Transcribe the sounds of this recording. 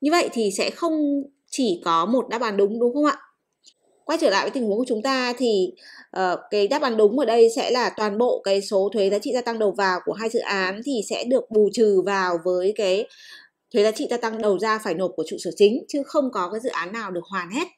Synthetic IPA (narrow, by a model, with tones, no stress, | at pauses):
ɲɨ˧və̰˧˨jt̪ʰi˨˩sɛ̰˧˥xə˧wŋ͡m | t͡ɕi˧˩kɔ˨˦mo˨˩t̚ɗaː˧˥p̚ɓaː˨˦nɗʊ˨˦ŋ͡mɗʊ˨˦ŋ͡mxə˧wŋ͡mʔa̰ː˧˨ | kwaː˧t͡ɕəː˧˩la̰˧˨jvə˨˦t̪i˨˩ŋhu˨˦ŋkt͡ɕʊ˨˦ŋ͡mt̪aː˧t̪ʰi˨˩ʔəː˨˩kaː˨˦jɗaː˦˥p̚ɓaː˨˦nɗʊ˨˦ŋ͡mʔəː˧˩ɗə˧jsɛ̰˧˥laː˨˩t̪waː˨˩nɓo̰˧˨kaː˨˦jso˨˦t̪ʰwe˨˦zaː˨˦t͡ɕḭ˧˨t̪aː˧t̪a˧ŋɗə˨˩wvaː˨˩wku˧˩əɦaː˧jzɨ̰˧˨ʔaː˨˦nt̪ʰi˨˩sɛ̰˧˥ɗɨ˨˩ək̚ɓu˨˩t͡ɕɨ˨˩vaː˨˩wvəː˨˦jkaː˨˦j | t̪ʰwe˨˦zaː˨˦t͡ɕḭ˧t̪aː˧t̪a˧ŋɗə˨˩wzaː˧faː˧˩jno˨˩ku˧˩ət͡ɕṵ˧˨səː˧˩t͡ɕï˨˦ŋ̟t͡ɕɨ˨˦xə˧wŋ͡mkɔ˨˦kaː˨˦jzɨ̰˧˨ʔaː˨˦nːaː˨˩wɗɨ˨˩ək̚hwaː˨˩nhe˦˥t̚